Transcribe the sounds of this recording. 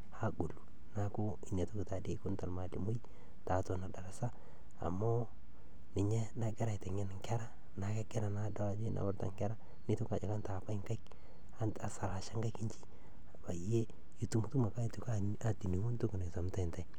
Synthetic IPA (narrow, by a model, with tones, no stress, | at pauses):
ha˦ɡu˨lu˨ | na˦kʊ˦ | i˨na˨tu˦ki˨ta˨de˦kʊ˦nta˨lma˨li˨mo˦i˦ | ta˨˦ta˨na˨da˨ɾa˨sa˦ | a̰˨mo˦ | nɪ˨ɲɛ˦na˨ɡɛ˦ɾa˨jte˨ŋe˦n˨ŋkɛ˦ɾa˦ | na˨ke˦ɡe˦ɾa˨na˦da˦a˨d͡ʒe˦na̰˨wa˦ɾta̰˨ŋkɛ˦ɾa˦ | nɪ˦tu˦ka˨d͡ʒa˨ka˦nta˨pa˦i˦ŋka˦k | a˦nta˨sa˨la˨ʃa˦ŋɡa˦ki˦ɲt͡ʃi̥˦ | a˨ba˨je˦ | i˨tu˦m˦tu˦ma˨ka˦i˨tu˨ka˦ | a˨ti˨ni˨ŋu˦ntu˦ku˨ne˨sa˨mta˦˨nta˨j